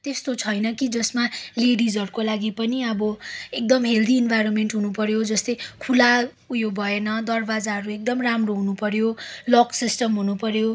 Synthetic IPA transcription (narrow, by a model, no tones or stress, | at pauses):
t̪est̪ot͡sʰʌjnʌkid͡zʌsmaleɽid͡zʱʌɾukolaɡipʌniʌbʌek̚d̪ʌmɦeld̪iːnbʱajɾonmenʈɦunupʌɾjod͡zʌst̪ʌjkʰula | ujobʱʌenʌd̪ʌrbad͡zaɦʌɾuek̚d̪ʌmramroɦunupʌɾjolʌksisʈʌmɦunupʌɾjo